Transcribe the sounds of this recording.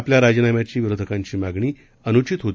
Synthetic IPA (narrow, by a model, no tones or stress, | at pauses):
pljaɾad͡ʑənamjat͡ɕiːʋiɾod̪ʱəkãɲt͡ɕiːmaɡɳiː | ənut͡ɕit̪ɦot̪